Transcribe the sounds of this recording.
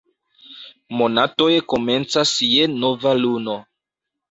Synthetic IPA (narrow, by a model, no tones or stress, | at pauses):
mo̞nato̞jkome̞nt͡sasjeno̞valuno